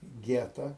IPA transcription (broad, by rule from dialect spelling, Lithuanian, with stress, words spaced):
ˈɡʲæːtɐ